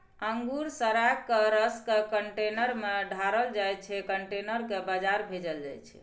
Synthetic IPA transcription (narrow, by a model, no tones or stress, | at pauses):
əŋɡuɾsəɾakːəɾəskekəɳʈenəɾmeɖʱaɾəld͡ʒajt͡ʃʰɛkəɳʈenəɾkebad͡ʒaɾbʱed͡ʒəld͡ʒa̰jt͡ʃʰɛ̰